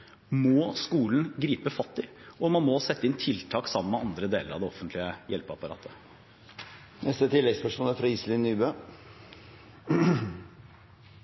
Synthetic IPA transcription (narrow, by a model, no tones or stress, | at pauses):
mɔskuːln̩ɡɾiːpəfɑt̪ːɪʔɔmɑnmɔsɛt̪ːəɪnt̪ʰɪlt̪ʰɑːksɑmənmɛɑnd̪ɾəd̪eːləɾɑ̰d̪ɛɔfənt̪lɪəjʔɛlpəɑpɑɾɑ̰ːt̪ʰːə | nɛst̪ət̪ʰɪlːɛɡspæʂuːnəfɾɑisəlɪnːyːbøː